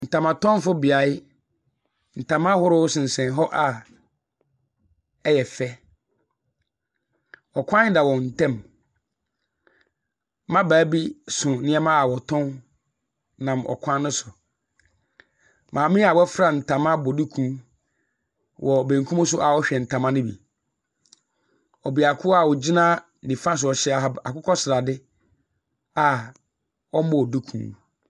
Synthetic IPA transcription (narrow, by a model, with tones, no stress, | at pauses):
n̩˨tʰã˨mã˨tɔ̃˦n˦fʊ˦bɪ˨a˨ɪ˦ | n̩˨tʰã˨mã˦hʊ˦ɾʊ˦sɪ̃˨n̩˨sɛ̃˨n˨ɦɔ˦ʔa˨ | ɛ˦jɛ˨fɛ˦ | ɔ˨kʷʰã˦n˦da˨wɔ˨n̩˨tʰɛ̃˦˨m | mã˦baː˨˦bi˦sʊ̃˨˦nɪ̃˦ɛ˦mã˦a˨wɔ˨tʰɔ̃˦n | nã˨mʔɔ̰˨kʷʰã˦nː˦ʊ̃˦sʊ˨ | mʔãː˨mɪ̃˦a˨wɛ˦fɾa˨n̩˨tʰã˨mã˦bɔ˨du˦kʰũ˦ | wʔɔ˨bẽ˨ŋ̩˨kʰũ˦mʊ̃˦s̬ʊ˦ʔa˨wɔ˦ɕᶣɛ˨n̩˨tʰã˨mã˦nɪ̃˦bḭ˨ | ɔ˨bi˨a˨kʰʊ˦a˨wɔ˨d͡ʑi˦nã˦˨ | nĩ˨fã˦s̬ʊ˨ɔ˨ɕɛ˦˨a˨kʰʊ˦kʰɔ˦sɪ˨ɾa˨dɪ˦ | a˨ | ɔ˦mɔ̃˨du˦kʰṵ̃ː˦